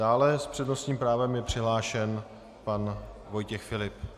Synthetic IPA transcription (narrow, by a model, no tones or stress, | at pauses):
daːlɛspr̝̥ɛdno̞sɲiːmpɾaːvɛmjɛpr̥ɪɦlaːʃɛn | pan | vo̞jcɛxfɪlɪp